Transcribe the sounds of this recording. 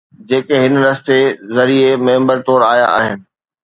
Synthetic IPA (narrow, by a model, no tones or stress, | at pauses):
d͡ʑeːkeɦɪn̆ɾɐst̪ezɐɾiemẽːmbəɾt̪oːɾaːja̰ʔa̰ːɦɪnɪ̆